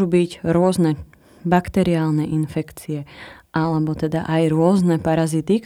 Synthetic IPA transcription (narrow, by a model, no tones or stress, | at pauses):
ubicɾʊɔznɛ | bakt̪ɛɾiaːlˠnɛʔinfɛkt͡sijɛʔalɛbɔt̪ɛd̪a̰ʔajɾʊɔznɛpaɾazit̪ik